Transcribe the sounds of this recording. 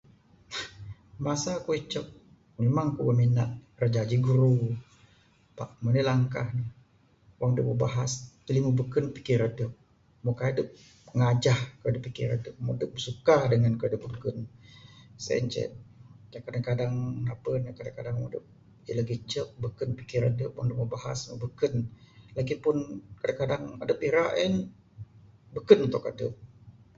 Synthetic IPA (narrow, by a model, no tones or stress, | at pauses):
masakuit͡ʃək̚ | memaŋkubəminat̪̚rəd͡ʒad͡ʒiɡuɾu | paʔmənəlaŋkahnəh | waŋdəʔbəbaɦast̪əlimubəkənpi̥kiɾədəʔ̚ | mokadəp̚ | ŋad͡ʒahkadəpːikiɾə̰dəp̚mudəp̚bsukadəŋankəadəp̚bəkən | sɛ̰nt͡ʃɛ̰t̪̚kakadaŋkadaŋnapənakadaŋkadaŋwadəp̚ | ḭləɡit͡ʃək̚bəkənpikɪɾadəʔwaŋdəʔməbaɦa̰smə̰ʔbəkənlakipʊnkadaŋkadaŋa̰dəpiɾaʔən | bəkənunt̪ʊkadəp̚